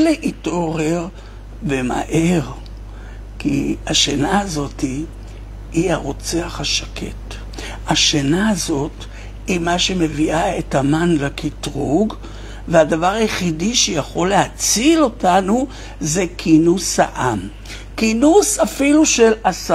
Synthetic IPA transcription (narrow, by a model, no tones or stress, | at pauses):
leʔito̞ʁe̞ʁ | bema̰ʔe̞ʁ | kḭaʃenaːzo̞ti | hiaʁo̞t͡seaχaʃakʰe̞̰t | aʃenaːzo̞t | imaʃe̞me̞viaetamanlakitʁuɡ | veadavaʁajeχidiʃejaχo̞lehat͡silo̞tanu | ze̞kʰinusha̰ʔam | kinusafiluʃe̞lasa